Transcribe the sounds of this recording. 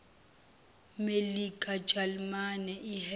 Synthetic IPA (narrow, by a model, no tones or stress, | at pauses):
melikʼḁd͡ʒ̥ʱalmanɛih